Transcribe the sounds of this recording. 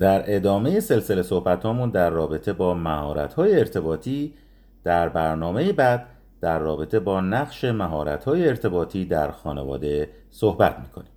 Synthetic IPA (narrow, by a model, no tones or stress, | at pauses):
d̪̥æɾe̞d̪ɒːme̞jese̞lse̞le̞so̞hbæt̪hɒːmund̪æɾːɒːbe̞t̪ʰe̞bɒːmæhɒːɾæ̰t̪hɒːjeːɾt̪ʰe̞bɒːt̪ʰiː | d̪̥æɾbæɾnɒːme̞jebæd̪̥̚ː | æɾːɒːbe̞t̪ʰe̞bɒːnæɣʃe̞mæɦɒːɾæ̰t̪hɒːjeːɾt̪ʰe̞bɒːt̪ʰiːd̪æɾxɒːnevɒ̰ːd̪e̞ | sohbæt̪ʰmiːkʰoniː